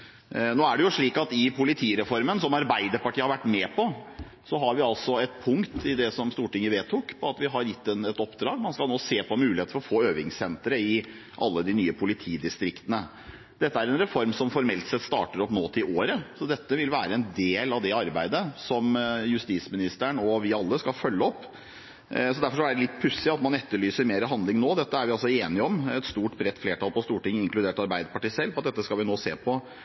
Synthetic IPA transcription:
noːæɖɛjʊʂɭiːkɑt̪ɪpʰʊlɪt̪ʰiːɾɛfɔɾmənsɔmɑɾbæɪd̪əɾpɑʈʰiːəhɑɾʋæʈːmɛːpʰɔ | sɔɦɑɾʋɪɑlsɔɛt̪̚pʰʊŋkt̪ʰɪd̪ɛsɔmst̪uːʈɪŋːəʋeːt̪ʰʊkpʰɔɑt̪ʋɪɦɑɾjɪt̪ːɛnɛt̪ɔpd̪ɾɑːɡmɑnskɑloːseːpɔmʉːɪhet̪fɔɾɔfoːøːʋɪŋsɛnt̪ɾəɪ | ʔɑ̰lːəd̪ɪnyːəpʰʊlɪt̪ʰiːd̪ɪst̪ɾɪkt̪ənə | d̪̥ɛt̪ːəæɾɛnɾɛfɔɾmsɔmfɔɾmɛlt̪sɛt̪st̪ɑ̰ːʈəɾɔpmoːt̪əɪʔoːɾəsɔd̪ɛt̪ːəʋɪlʋæːɾəɛnd̪eːlɑʋd̪ɛɑɾbæɪd̪əsɔmjʉst̪iːsmɪnɪst̪əɳɔʋɪɑlːəskɑfœlːəɔpː | sɔd̪æɾfɔʂæɖəlɪt̪ːpʰʉsːɪɑt̪mɑnɛt̪ːəɭyːsəɾmeːɾəɦɑnlɪŋnoːd̪ɛt̪ːəæɾʋɪɑlsɔeːnɪəɔmɛt̪st̪uːʈbɾɛt̪ːfleːʈɑlpɔst̪uːʈɪŋːɪŋklʉd̪eːʈɑɾbæɪd̪əpɑʈiːsɛlfɔɑt̪̚d̪ɛt̪ːəskɑlʋɪnoːseːpʰɔ

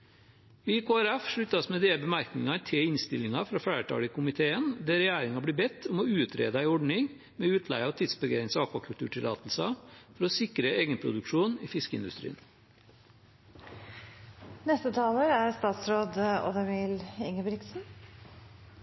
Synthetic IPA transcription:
ʋikʰoːæɾæfʂɭʉt̪ːɑsmɛd̪eːbəmæɾknɪŋɑt̪ʰɪɪnst̪ɪlɪŋɑfɾɑːfæːəʈʰɑ̰ːɽɪkʊmɪt̪ʰeːənd̪æɾɛjæːɾɪŋɑbliːbɛt̪ʰːʊmɔʉːt̪ʰɾḛːd̪əæɪɔɖɳɪŋ | mɛːʉːt̪ʰlæ̰ɪɑʋt̪ʰiːd̪sbəɡeːɾɪnsɑkʋɑkʰʉlt̪ʉːʈʰɪlɑ̰ːt̪l̩sɑfɔɾɔsɪkɾəeːɡənpʰɾʊ̰d̪ʉkʂuːniːfɪskəɪnd̪ʉ̰st̪ɾḭːn | nɛst̪ət̪ʰɑːləɾæɾst̪ɑːt̪sɾoːd̪ɔ̰d̪ɛʋɪlɪŋəbɾɪksn̩

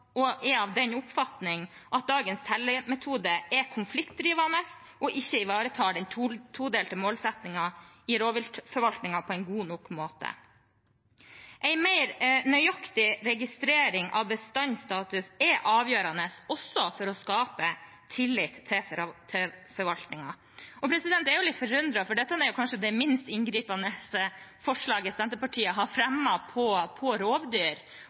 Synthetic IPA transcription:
ɔʔɛɑʋd̪ɛnʊpfɑt̪nɪŋʔɑt̪̚d̪ɑːɡənst̪ʰɛlːəmɛt̪ʰuːd̪əʔɛkʰʊnflɪkt̪̚d̪ɾiːʋɑnəs | ʔɔʔɪçːəɪʋɑːɾət̪ʰɑːɖɛnt̪ʰut̪ʰuːd̪eːlt̪ʰəmoːlsɛt̪nɪŋɑ | ɪɾoːʋɪlfɔɾʋɑlt̪nɪŋɑpʰɔɛɪnɡuːnɔkmoːt̪ə̰ | ʔæɪmæɪɾnœʏɑkt̪ɪɾɛɡɪst̪ɾeːɾɪŋʔɑ̰ʋbəst̪ɑɲst̪ɑːt̪ʉsɛʔɑːʋjøːɾɑnəsɔsːɔfɔɾɔskɑːpə | t̪ʰɪlːɪt̪ʰːɛt̪ʰɛfɔɾʋɑlt̪nɪŋɑ | ɔpʰɾɛsɪd̪ɛnt̪æɾjʊlɪt̪fɔɾʉnd̪ɾɑfɔɖɛt̪ːəɑnæɾjʊkʰɑnʂəd̪ɛmɪnst̪ɪnɡɾiːpɑnəsəfɔʂɭɑːɡəsɛnt̪əpɑʈʰiːəɦɑɾfɾɛmːɑpʰɔpʰɔɾoːʋd̪yːɾ

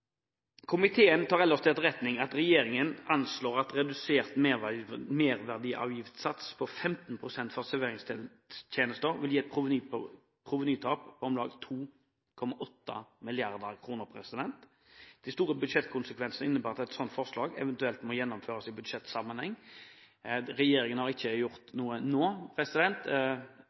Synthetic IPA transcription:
kʰʊmɪt̪ʰeːənt̪ʰɑːʁɛlːəst̪ʰɛːt̪ɾɛt̪nɪŋɑt̪ɾɛjeːɾɪŋənɑnsloːʁɑt̪ɾɛd̪ʉseːʁt̪memeːʁʋæʁd̪iːʔɑ̰ːʋjɪft̪sɑt̪spʰɔfɛmt̪n̩pʰʁʊsɛnt̪fɔʁsɛʋeːʁɪŋst̪ | t̪ʰjeːnəst̪əʁʋɪljiːɛt̪̚pʰʊ | pʰʁʊʋənyːt̪ʰɑːppʰɔɔmlɑːɡt̪ʰuː | kʰɔmɑʔɔt̪ːə̰mɪlɪɑʁd̪əɾkʰʁuːnəɾpʰɾɛsɪd̪ɛnt̪ | d̪̥æɪst̪uːɾəbʉd̪ʂɛt̪kʰʊnsəkʰʋɛnsn̩əɪnːəbæːɾɑt̪ɛt̪sɔnt̪fɔʁʂlɑːɡɛ̰ʋɛnt̪ʉɛlt̪mɔjɛnːɔmføːʁəsɪbʉd̪ʂɛt̪sɑmːənhɛŋː | ɾɛjeːɾɪŋənhɑʁɪçːəjʊʁt̪nuːənoːpʰʁɛsɪd̪ɛnt̪

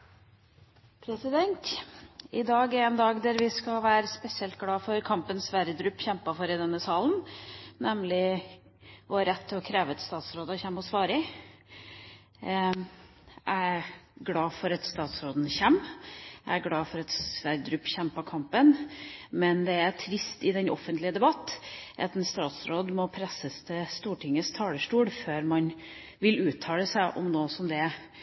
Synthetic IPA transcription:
pʰɾɛsɪd̪ɛnt̪ | ɪd̪ɑːɡæɾɛnd̪ɑːɡd̪æɾʋɪskɑlʋæːɾəspɛsɪɛlt̪̚ɡlɑːfɔɾkʰɑmpənsʋæɾəd̪ɾʉpːçɛmpɑfɔɾɪd̪ɛnːəsɑːlnnɛmlɪ | ʋɔɾɛt̪ʰːɔkʰɾeːʋət̪st̪ɑːt̪sɾoːd̪ɑçɛmːɔsʋɑːɾɪ | ʔæɡlɑːfɔɾɑt̪st̪ɑːt̪sɾoːd̪n̩çɛmːæɪæɾɡɽɑːfɔɾɑt̪sʋæɾəd̪ɾʉːpːçɛmːpɔkʰɑmpənmɛnd̪ɛæɾʈʰɾɪst̪ɪd̪ɛnɔ̰fənt̪lɪəd̪ɛbɑt̪ːʔɑt̪ɛnst̪ɑːt̪sɾoːd̪mɔpʰɾɛsəst̪ʰɛst̪uːʈʰɪŋːəst̪ʰɑːləʂʈuːɽføːɾmɑn | ʋɪlʉːt̪ʰːɑːləsæɪʔɔ̰mnoːsɔmd̪ɛ

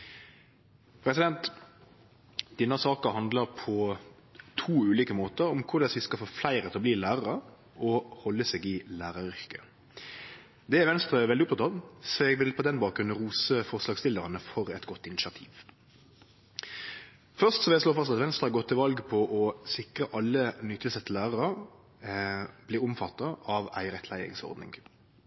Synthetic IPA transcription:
pʰɾɛsɪd̪ɛnt̪ | d̪̥ɪnːɑsɑːkəɦɑnd̪ləʁpʰɔ | t̪ʰuːʉːliːkəmoːt̪əɾɔmkʰʊʁd̪ɑsɪskɑfoːflæɪɾət̪ʰɛlɔbliːlæːʁɑʁə | ɔhɔlːəseːɡɪlæːʁɑɾʏʁkə | d̪ɛæʋɛnst̪ʁəʋɛld̪ɪʊpt̪ɑt̪ɑːʋsɔɛɡʋɪlpʰɔd̪ɛnbɑːkɾʉn̩ʁuːsəfɔʁslɑːɡst̪ɪlːəʁɑnəfɔɾɛt̪ɡɔt̪ːɪnɪsɑt̪ʰiːʋ | fœʁst̪sɔʋɛsloːfɑst̪ɑt̪ʋɛnst̪ʁəhɑɡɔt̪ʰːɪlʋɑlɡpʰɔʔɔsɪkʁəʔɑlːənyːt̪ʰːɪlsɛt̪ːəlæːʁəʁə | b̥liːʊmfɑt̪ːɑʔɑʋæ̰ɪəʁɛt̪ʰlæɪɪ̰ŋsɔ̰ʁd̪nɪ̰ŋ

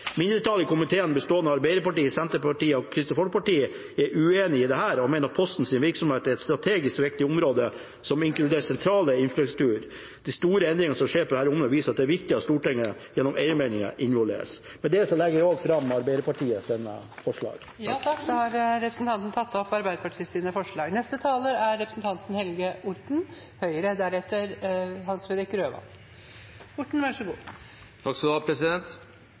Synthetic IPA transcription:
mɪnd̪ɾət̪ʰɑlɪkʊmɪt̪ʰeːənəbəst̪oːənəɑɾbæɪɾəpɑʈiːəsɛnt̪əpɑʈiːəɔkʰɾɪst̪ɔfɔlk̚pɑʈiːə | ɛɾʉeːnɪɪd̪ɛhæːɾɔmɛɪnəɾɑt̪pʰɔst̪n̩sɪnʋɪɾksɔmheːt̪æɾɛt̪st̪ɾɑt̪ʰeːɡɪskʋɪk̚t̪ɪʊmɾoːd̪ə | sɔmɪŋklʉd̪eːɾsɛnt̪ʰɾɑːləɪnfɾʉksʉ̥t̪ʉːəɾ | d̪ɪst̪uːɾəɛnd̪ɾɪŋənsɔmʂeːɾpɔd̪hæːɾʊmnəʋiːsəɾɑt̪̚d̪ɛæɾʋɪkt̪ɪɑt̪st̪uːʈɪŋːəjɛnːɔmʔɛɪəmɛɪnɪŋə̰ʔɪnʋɔld̪ḛːɾə̰smɛnd̪ɛsɔmlɛɡːəʋɪoːɡfɾɑmːɑɾbæɪd̪əpɑʈʰiːəseːnə̰fɔʂɭɑ̰ːɡ | jɑt̪ʰɑkːd̪hɑɾɾɛpɾəsnt̪ʰɑnt̪n̩t̪ʰɑt̪ːɔpːɑɾbæɪd̪əpɑʈʰiːəsɪːnəfɔʂɭɑːɡnɛst̪ət̪ʰɑːləæɾːɛpɾəsn̩t̪ʰɑnt̪n̩hɛlɡəʊʈɳ̩ | hœʏəɾəd̪æɾɛt̪ːəɾhɑnsfɾeːd̪ɾɪkɾøːʋɑ̰ | ʊʈɳ̩ʋɑʂəɡuː | t̪ʰɑksd̪oːpʰɾɛsɪd̪ɛnt̪

